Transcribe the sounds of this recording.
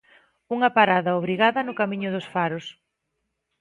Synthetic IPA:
uŋɐpaɾaðɐoβɾiɣaðɐnʊkamĩɲʊðʊsfaɾʊs

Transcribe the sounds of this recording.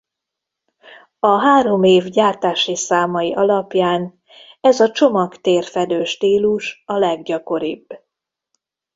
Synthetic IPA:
ɒɦaːɾo̞meːvɟaːrt̪aːʃisaːmɒjiʔɒlɒpjaːn | ɛzɒt͡ʃo̞mɒkt̪eːrfɛd̪øːʃt̪iːluʃɒlɛɡɟɒko̞ɾibː

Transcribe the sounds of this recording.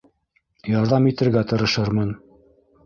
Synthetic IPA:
jɑɾðɑmit̪ɘ̆ɾɡæt̪ɤ̆ɾɤ̆ʃɤɾmɤn

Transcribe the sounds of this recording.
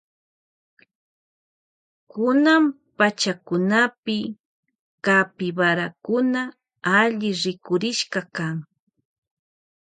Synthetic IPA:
kʊnam | pat͡ʃakʊnapɪ | kapɪbaɾakʊna | aʎɪɾɪkʊɾɪʃkakaŋ

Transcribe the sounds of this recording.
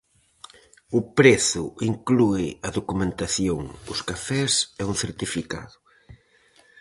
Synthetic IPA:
ʊpɾeθʊʔiŋkluɪɐðokumẽnt̪aθjoŋʊskafɛsɛuŋθeɾt̪ifika̰ðʊ

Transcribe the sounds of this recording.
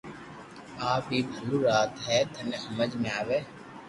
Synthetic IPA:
aːpɦibʱɐluːɾaːt̪ɦɛːt̪ʰɐnesɐməd͡ʒmẽaːʋeː

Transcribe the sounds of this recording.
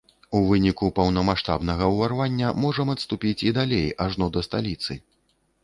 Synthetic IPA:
uvɨnʲikupɐwn̪ɐmaʂt̪a̰bnɐɣɐwvarvanʲːɐmɔʐɐmɐt̪st̪upʲit͡sʲid̪alʲejaʐnɔd̪ɐst̪alʲit̪sɨ̰

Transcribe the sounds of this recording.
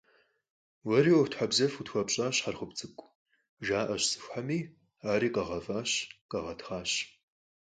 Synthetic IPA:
wɐɾiːwɔtħabzɐfutʰxʷɐpɕʼaːɕħarχʷʊpt͡sʼɨkʷʼ | ʒaːʔɐɕsʼɨ̥xʷħamiː | aːɾiːqʼɐʁɐvaːɕqʼɐʁɐtʰχaːɕ

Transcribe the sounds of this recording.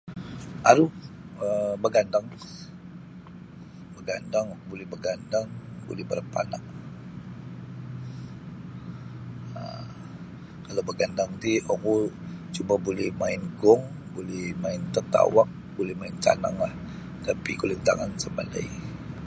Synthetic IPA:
ʔaɾu | əbəɡandaŋ | bərɡandaŋbolɛhbərɡandaŋbo̰lɛhbərpanak̚ | ə | kalabəɡandaŋd̪iokut͡ʃubabolɛhmaɪnɡɔŋ | bolɛhmaɪnt̪ət̪a̰wak̚ | bolɛhmaɪnt͡ʃa̰na̰ŋlah | t̪apikuliŋt̪a̰ŋansəmə̰la̰j

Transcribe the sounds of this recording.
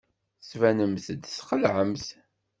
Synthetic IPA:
svænəmθəd̪sχəlʕəmθ

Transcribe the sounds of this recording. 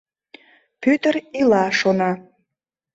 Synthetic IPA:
pʰyt̪ʼerilaːʂona

